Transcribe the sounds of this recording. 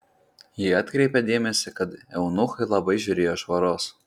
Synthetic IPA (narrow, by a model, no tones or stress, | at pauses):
jiɑt̪ʲkɾʲɛɪpʲɛd̪ʲeːmʲɛsʲɪkɐt̪ɛʊnʊxɐɪlˠɐbɐɪʒʲʊɾʲeːjoʒʋɐɾoːs